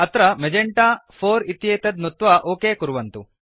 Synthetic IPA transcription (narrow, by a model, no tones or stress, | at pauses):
ɐt̪ɾɐmed͡ʒeɳʈaːfoːɾit̪jeːt̪ɐd̪nut̪ʋaʔoːkeːkuɾuʋɐnt̪ṵ